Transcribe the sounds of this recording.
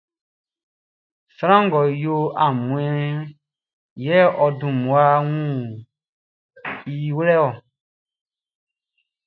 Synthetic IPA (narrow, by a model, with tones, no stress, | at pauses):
sa˦ɾã˦ŋ˨ɡɔ˨jo˦a˨mũ˨ɛ̃˦ | jɛ˦ɛ˦ʔɔ˨dũ˨mũ˨a˦wũ˦˨ | i˦we˦lɛ˦wɔ˨